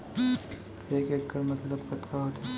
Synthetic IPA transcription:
eːkeːkːəɾmɐt̪ləb̚pɐt̪kaɦoːt̪i

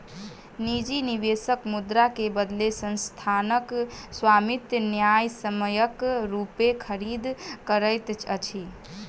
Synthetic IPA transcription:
nid͡ʒiniʋesəkmud̪ɾakebəd̪lesənst̪ʰanəkswamit̪jnjajsəməjəkɾupekʰəɾid̪kəɾəjt̪t͡ʃʰət͡ʃʰi

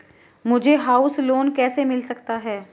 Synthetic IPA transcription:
mʊd͡ʒʱeɦaːʊsloːnkɛːsemɪlsɐkt̪aɦɛː

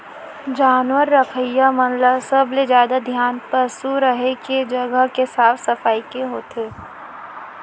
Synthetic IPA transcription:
d͡ʒaːnʋəɾːəkʰəjːamənləsəbled͡ʒjaːd̪ad̪ʱjaːnpəsuɾəɦeked͡ʒɐɡəɦkesaːfsɐfaːikeɦoːt̪eː

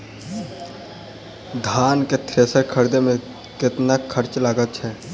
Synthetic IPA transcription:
d̪ʱaːnket̪ʰɾeːsəɾkʰəɾd̪emẽ | kɪt̪nakʰəɾt͡ʃlaːɡət̪̚t͡ʃʰɛ

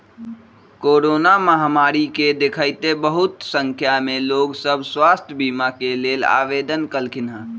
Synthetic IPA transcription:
koːɾoːnaməɦamaːɾiked̪ɪkʰaːɪt̪ebəɦʊt̪sə̃ŋkʰjamẽloːɡsəbʱswaːst̪ʰjəbiːmakeleːla̰ːʋeːd̪ənkəlkʰɪnaː

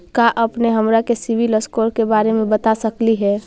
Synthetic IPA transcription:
kaʔəpneɦəmɾakesibʱiləskoɾkebaːɾemẽbət̪asəkliɦɛ

